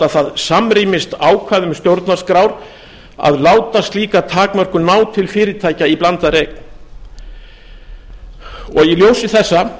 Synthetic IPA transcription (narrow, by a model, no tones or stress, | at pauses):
aθaðsamɾimɪst̪aːwkʰvaːðʏmst̪jowɾt̪narskɾawɾ | a̰ðlaːwt̪ast̪liːkat̪ʰaːkmœr̥kʏnaːwt̪ʰɪlfɪːɾɪt̪ʰaːjcaiplant̪aɾejk̪̚ | ɔɣiljoːwsɪθɛsːa